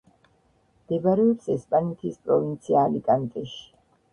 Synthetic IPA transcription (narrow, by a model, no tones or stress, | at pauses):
md̪̥ɛbaɾɛɔpsɛspʼanɛt̪ʰispʼɾɔvint̪sʰiaːlikʼant̪ʼɛʃi̥